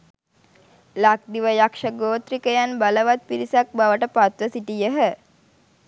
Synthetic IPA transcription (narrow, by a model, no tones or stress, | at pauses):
lak̚d̪iʋəjakʂəɡoːt̪ɾikəjanbaləʋat̪̚piɾisak̚baʋəʈəpat̪ʋəsiʈijəɦə